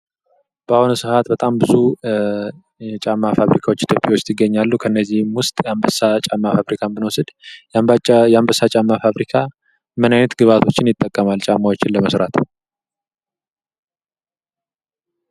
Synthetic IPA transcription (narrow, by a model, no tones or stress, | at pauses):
b̥ahonsɨhat̪bət̪ʼambɨzu | ɛt͡ʃʼamːafaβɾikʰawot͡ʃːɪt̪ʰjopʼiwot͡ʃːt̪ʰɪɡːəɲːalːukʰəɨnːəzːihmwʊst̪ʼjambəsat͡ʃʼamːafaβɾikʰanbɨnwosɨd̪ | jambəsːat͡ʃʼamːafaβɾikʰa | mənajnət̪ɡɨβat̪ʰo̞t͡ʃːɪnjɪt̪ʼːəkʼːəmalt͡ʃʼamːawot͡ʃːɪnləməsɾat̪ʰ